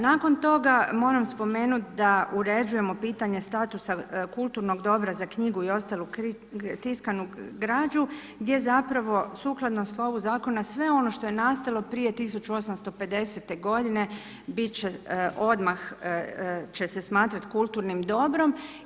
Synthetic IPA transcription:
naːko̞nt̪o̞ɡamo̞ːɾamspo̞me̞ːnut̪d̪auɾe̞d͡ʒuje̞mo̞piːt̪aɲe̞st̪at̪usakulˠt̪uɾno̞ɡd̪o̞bɾazakɲiɡuio̞st̪alˠu | t̪iskanuɡɾaːd͡ʒu | ɡd̪je̞zapɾaʋo̞suːklˠad̪nomslˠo̞ʋuzaːko̞nasʋe̞o̞no̞ʃt̪o̞je̞naːst̪alˠo̞pɾije̞t̪is̬ut͡ʃuo̞samst̪o̞pe̞d̪e̞set̪e̞ɡo̞d̪ine̞ | bit̪t͡ʃeʔo̞d̪max | t͡ʃe̞se̞smaːt̪ɾat̪kulˠt̪uɾnimd̪o̞bɾo̞m

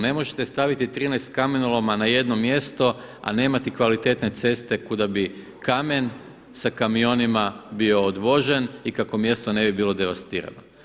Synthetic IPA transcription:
ne̞mo̞ʒe̞t̪e̞st̪aʋit̪it̪ɾiːnest̪kamenolˠomanaje̞d̪no̞mje̞st̪o̞ | a̰ne̞ːmat̪ikʋalit̪e̞t̪ne̞t̪se̞st̪e̞kud̪abi | kame̞n | sakamio̞nimabio̞ːd̪ʋo̞ʒe̞nikako̞mje̞st̪o̞ne̞bibiːlˠo̞d̪e̞ʋast̪iːɾa̰no

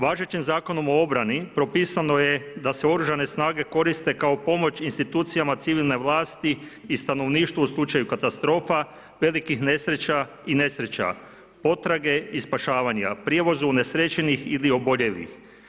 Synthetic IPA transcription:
ʋaːʒet͡ɕimzaːko̞no̞mo̞o̞bɾanipɾo̞piːsano̞je̞d̪ase̞o̞ɾuʒane̞snaːɡe̞ko̞ɾist̪e̞kao̞po̞mo̞t͡ɕinst̪it̪uːt̪sijamat̪siʋilˠne̞ʋlˠaːst̪iːst̪ano̞ʋniːʃt̪ʋuuslˠut͡ʃajukat̪ast̪ɾo̞ːfa | ʋe̞likixne̞sɾe̞t͡ɕa | ine̞sɾe̞t͡ɕa̰ | po̞t̪ɾaɡe̞ispaʃaːʋaɲa̰pɾje̞ʋo̞zune̞sɾe̞t͡ɕenixilio̞bo̞ʎe̞ʋḭx

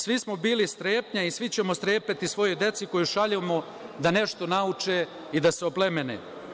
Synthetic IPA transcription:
sʋismobiːlist̪ɾeːpɲaisʋit͡ɕe̞most̪ɾeːpet̪isʋo̞jojd̪e̞t̪siko̞juʃaʎemo | d̪ane̞ʃt̪o̞naut͡ʃe | id̪aseo̞ple̞me̞nḛ

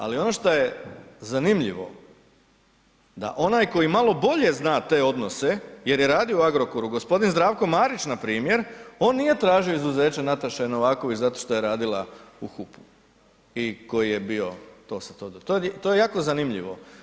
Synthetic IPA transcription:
a̰lio̞no̞ʃt̪oje̞zanimʎḭʋo̞̰ | d̪a̰ʔo̞naːjko̞jimalo̞bo̞ʎe̞znaːt̪e̞ːo̞d̪no̞se̞je̞ɾjeɾaːd̪io̞uaɡɾokoɾuɡo̞spo̞d̪inzd̪ɾaːʋko̞maːɾit͡ʃnapɾiːmje̞ɾo̞ːnːije̞t̪ɾaːʒioizuze̞ːt͡ʃenat̪aʃɛno̞ʋaːko̞ʋit͡ɕzat̪o̞ʃt̪o̞jeɾaːd̪ilˠauxupu̥ | iko̞jije̞bio̞t̪o̞ːsat̪od̪t̪ot̪ojejaːko̞zanimʎḭʋo̞̰

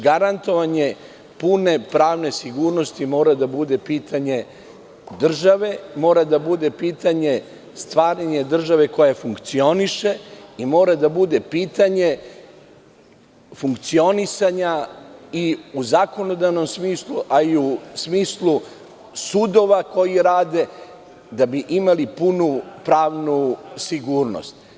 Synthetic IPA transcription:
ɡaɾant̪o̞ʋaɲe̞ | pune̞pɾaːʋne̞siɡuːɾno̞st̪imo̞ːɾad̪abud̪e̞piːt̪ʰaɲe̞ | d̪r̩ʒaʋe̞mo̞ːɾad̪abud̪e̞piːt̪aɲe̞ | st̪ʋaːɾaɲe̞d̪r̩ʒaʋe̞ko̞jafuŋkt̪sio̞niʃe̞imo̞ːɾad̪abud̪e̞piːt̪aɲe̞ | fuŋkt̪sio̞nisaɲaiuzako̞no̞d̪aʋno̞msmiːslˠuʔaiusmiːslˠu | suːd̪o̞ʋako̞jiɾaːd̪e̞ | d̪abiʔimalipunupɾaːʋnusiɡuːɾno̰st̪

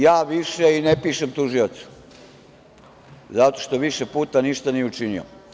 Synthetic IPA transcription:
jaːʋiʃeinepiːʃemt̪uʒio̞t̪su̥ | zat̪o̞ʃt̪o̞ʋiʃepuːt̪aniʃt̪aniut͡ʃinio̰

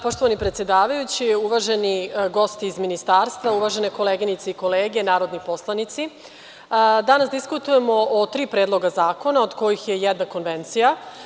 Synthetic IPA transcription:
po̞ʃt̪oʋanipɾet̪sjed̪aːʋajut͡ɕiuʋaʒeniɡo̞st̪iːzminist̪aːɾst̪ʋauʋaʒeneko̞leːɡinit̪seiko̞leːɡenaːɾo̞d̪nipo̞slˠanit̪si | d̪anasd̪iskut̪uje̞mo̞ʔot̪ɾiːpɾeːd̪lˠo̞ɡazaːko̞naod̪ko̞jixjejɛd̪nako̞nʋent̪sija

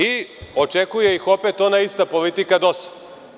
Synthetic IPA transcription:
iot͡ʃekuje̞ixopet̪onaist̪apolit̪ikad̪osḁ

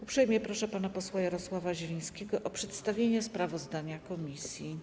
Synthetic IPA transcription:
upʂɛjmʲjɛpɾɔʂɛpanapɔswajaɾɔswavaʑɛlʲij̃skʲɛɡɔʔɔpʂɛt̪st̪avʲjeɲɛspɾavɔzd̪aɲakɔmʲisʲji

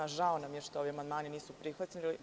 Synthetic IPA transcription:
aʒaonamjeʃt̪oo̞ʋiamand̪maːniniːsupɾixʋat̪t͡ɕnili

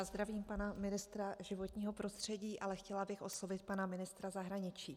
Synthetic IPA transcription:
azd̪ɾaviːmpanamɪnɪst̪ɾaʒɪvo̞t̪ɲiːɦo̞pɾo̞st̪r̝̥ɛɟiːʔalɛxcɛlabɪxʔo̞slo̞vɪt̪̚panamɪnɪst̪ɾazaɦɾaɲɪt͡ʃiː

